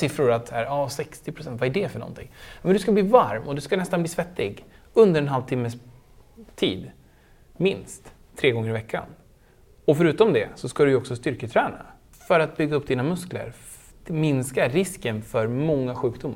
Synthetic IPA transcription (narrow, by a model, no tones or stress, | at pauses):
sɪfɾʊɾat̪sæːɾɑːsɛkst̪ɪpʰɾʊsɛnt̪vaæɖɛfœɳɔ̰nt̪ʰɪ̰ŋːmɛnd̪ɵskabliːvaɾmʔɔd̪ɵskanɛst̪anbliːsvɛt̪ːɪɡ | ɵnd̪əɾɛnɦalvt̪ʰɪmːəs | t̪ʰḭːd̪ | mɪnst̪ | t̪ʰːɾeːɡɔŋːəɾɪvɛkːa̰n | ɔfœɾʉ̟ːt̪ɔmd̪ɛsɔskad̪ɵjɔksɔst̪ʏɾkət̪ʰɾɛːna̰ | fœɾat̪̚bʏɡːaɵpːd̪iːnamɵsklə̰ɾ | mɪnskaɾɪskənfœɾmɔŋːaɧʉ̟ːkd̪ʊmːaɾ